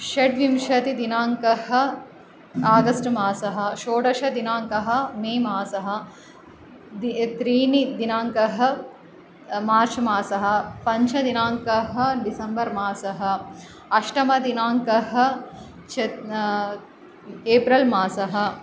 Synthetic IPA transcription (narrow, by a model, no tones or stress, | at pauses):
ʃɐʈʋimʃɐt̪id̪inaːŋkɐhɐ̆ | aːɡɐsʈmaːsɐɦɐ̆ʃoːɖɐʃɐd̪inaːŋkɐɦɐ̆meːmaːsɐɦɐ̆ | d̪it̪ɾiːnid̪inaːŋkɐɦɐ̆ | maːɾt͡ʃmaːsɐɦɐ̆pɐɲt͡ʃʰɐd̪inaːŋkɐɦɐ̆ɖisɐmbɐɾmaːsɐɦɐ̆ | ɐʃʈɐmɐd̪inaːŋkɐɦɐ̆ | t͡ʃʰɐ | eːpɾɐlmaːsɐɦɐ̆